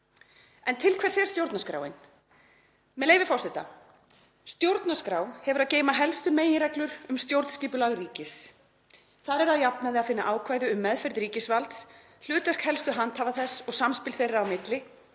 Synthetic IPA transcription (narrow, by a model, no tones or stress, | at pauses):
ɛnt̪ʰɪlkʰvɛ̥sɛɛɾ̥st̪jowɾt̪naskɾa̰ːwɪn | mɛlejvɪfɔrsɛht̪a̰ | st̪jowɾt̪naskɾaːwhɛvʏɾaðceːjmaɦɛlst̪ʏmeːjɪɾɛklʏɾʏmst̪jowɾt̪n̥sciːpʏlaɣriːcɪs | θaðɾɛɾaðjapnaðɪaðfɪnːaʔaːwkʰvaːjðʏʏmːɛðfɛɾðɾiːcɪsvalt̪s | l̥ʏːt̪lɛr̥khɛlst̪ʏɦant̪haːvaθɛsːɔɣsamspɪlθejrawmɪt̪lɪ